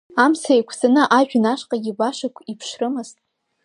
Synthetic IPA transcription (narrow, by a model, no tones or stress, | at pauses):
amsajkʷʰsanɨʔaʒᶣnaʃqʼaɡʲɪbaʃakʷʰipʰʂrɨmɨz̥tʼ